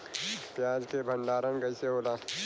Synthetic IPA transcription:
pjaːd͡ʒkebʱə̃ɳɖaːɾənkɐɪseɦoːlaː

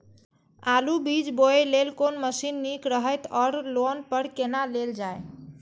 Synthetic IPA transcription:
alubid͡ʒboelelkonməsinːikɾəɦəjt̪ɔɾlonpəɾkenaleld͡ʒaj

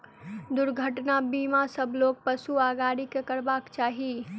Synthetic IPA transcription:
d̪ʊɾɡʱəʈnabimasəbʱlok̚pəsuaɡaɾikekəɾbakt͡ʃaːɦi

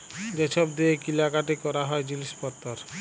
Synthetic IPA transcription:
d͡ʑeʃʰɔbd̪iekilakaʈikɔɾaɦɔed͡ʑiliʃpɔt̪ːoɾ

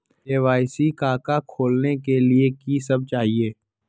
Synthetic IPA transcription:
eːʋaːɪsikaːkakʰoːlnekeliekisɐb̚t͡ʃaːɦieː

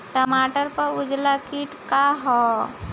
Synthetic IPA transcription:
ʈəmaːʈəɾpəɾʊd͡ʒlakiʈkaɦɔ

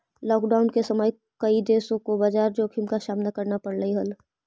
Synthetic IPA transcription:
lɔːkɖaːʊnkesəməj | kəid̪eːsõkobad͡ʒaːɾd͡ʒoːkʰimkasaːmnakəɾnapəɽləiɦəl

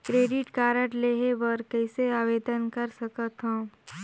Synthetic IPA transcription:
kɾeːɖɪʈkaːɾəʈleːɦeʋɔɾkɛɪseaːʋeːd̪ənkɐɾsɐkət̪ɦõː

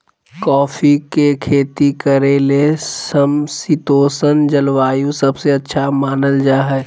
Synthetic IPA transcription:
kɔːfikekʰeːt̪ikəɾeːlesəmsit̪oːsənd͡ʒəlʋaːjũsɐbseɐtːʃʰamaːnəld͡ʒaːɦɛː

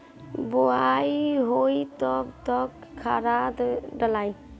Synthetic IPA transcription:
bɔajɦojt̪ɔkt̪ɔkkʰːaɾad̪dalaj

